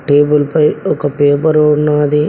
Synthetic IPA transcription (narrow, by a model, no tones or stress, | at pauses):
ʈeːbulpɐjɔkɐpeːpɐɾounːaːd̪i